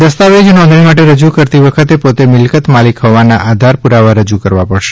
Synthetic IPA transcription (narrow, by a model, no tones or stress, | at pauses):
d̪əst̪aʋed͡ʒnɔ̃nd̪ʱɳimaʈeɾəd͡ʒukəɾt̪iʋəkʰət̪epot̪emɪlkət̪malikɦɔʋanaʔad̪ʱaɾpuɾaʋaɾəd͡ʒukəɾʋapəɽʃe̥